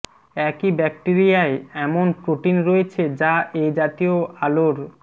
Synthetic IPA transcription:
ɛkibɛk̚ʈiɾijaeɛmonpɾoʈinɾoet͡ɕʰed͡ʑaʔejd͡ʑat̪ioaloɾ

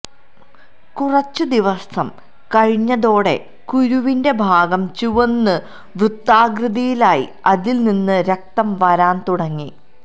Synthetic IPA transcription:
kurɐt͡ɕːɨd̪iʋɐsɐm | kɐɻiɲːɐðo̞ːɽe̞̰ | kuɾuʋinde̞bʱaːɡɐmt͡ɕuʋɐnːɨ | ʋrut̪ːaːɡrɨðijilaːjḭ | ɐðilninːɨɾɐk̚t̪ɐmʋɐɾaːnt̪uɽɐŋːi

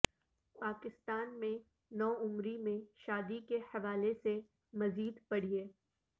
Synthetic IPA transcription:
paːkɪst̪aːnmẽ | nɔːʊmɾimẽʃaːd̪ikehɐʋaːlese | mɐziːd̪pɐɽ̤ieː

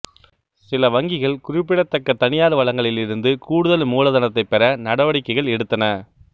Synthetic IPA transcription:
sɪlɐʋɐŋɡɪɣɐɭkʊrɪpːɪɽɐt̪ːɐkːɐt̪ːɐɳɪjaːðɯʋɐɭɐŋɡɐɭɪlɪɾɯnd̪ɯkuːɽɯðɐlmuːlɐðɐnɐt̪ːɐɪpːɛɾɐnɐɽɐʋɐɽɪkːɐɪɣɐɭɛɽɯt̪ːɐnɐ

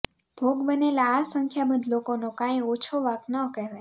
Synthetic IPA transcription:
b̥ʱoɡbənelaːsəŋkʰjaməd̪ʱlokonokãj̃ot͡ʃʰoʋaknəkəɦʋe

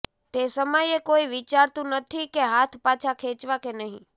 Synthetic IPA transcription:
t̪esəməjekoiʋit͡ʃaɾt̪ũnət̪ʰikeɦat̪ʰpat͡ʃʰakʰet͡ʃʋakenəɦḭ̃

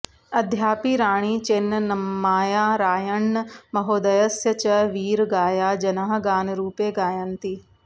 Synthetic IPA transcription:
ɐd̪ʱjaːpiːɾaːɽ̃iːt͡ʃɪnnəmmaːjaːɾaːjəɳːmɐɦoːd̪ɐjəsjət͡ʃɐʋiːɾɡaːjaːd͡ʒɐnaːɦɡaːnɾuːpeːɡaːjənt̪iː

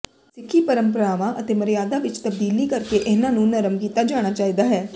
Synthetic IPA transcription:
sɪkʰːiːpəɾəmpəɾaːʋãːʔət̪eːməɾijaːd̪aːʋɪt͡ʃt̪əb̚d̪iːliːkəɾkeːʔɪnãːnũːnəɾəmkiːt̪aːd͡ʒaːɽ̃aːt͡ʃaːiːd̪aːɦɛː

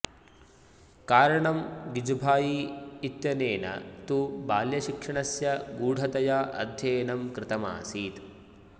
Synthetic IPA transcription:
kaːɾɐɳɐmɡid͡ʒbʱaːjiːt̪jɐneːnɐ̰t̪ubaːljɐʃikʂɐɳɐsjɐɡuːɽʱɐt̪ɐjaːʔɐ̰d̪ʱjeːnɐmkɾɪt̪ɐma̰ːsiːt̪

